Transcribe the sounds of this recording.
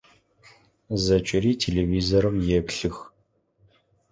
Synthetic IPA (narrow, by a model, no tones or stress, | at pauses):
zɐt͡ʃʼɪɾiːtʰeːleviːzoɾɨmjɛpɬɨx